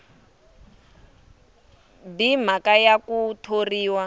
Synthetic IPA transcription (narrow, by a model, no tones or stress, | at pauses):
bim̤akajakutʰoriːwa